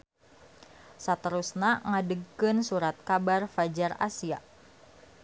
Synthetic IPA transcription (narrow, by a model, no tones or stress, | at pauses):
sat̪əɾusnaŋadəɡkɨnsuɾat̪̚kabarfad͡ʒara̰sia